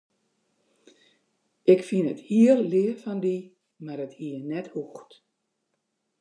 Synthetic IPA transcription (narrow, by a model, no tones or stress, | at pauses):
ʔɪkfinəthiəllɪəfɔndi | marəthiənɛthuxt